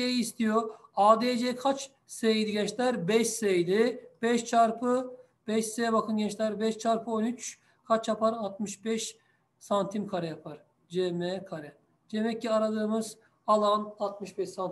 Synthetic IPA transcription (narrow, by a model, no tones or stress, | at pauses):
ejiːst̪ʰijoaːd̪ed͡ʒekʰat͡ʃ | sejd̪iɟɛt͡ʃlʲæɾbɛʃsejd̪ib̥ɛʃt͡ʃʰaɾpʰɯ | b̥ɛʃsebakʰɯnɟɛt͡ʃlʲæɾbɛʃt͡ʃʰaɾpʰɯo̞nyt͡ʃ | kʰat͡ʃjapʰaɾat̪̚mɯʃbɛʃ | sant̪ʰimkʰaɾɛjapʰaɾ | d͡ʒemɛkʰaɾɛ | d͡ʒemɛcʰːiaɾad̪ˠɯɯmɯz | alˠanat̪mɯʃbɛʃsant̪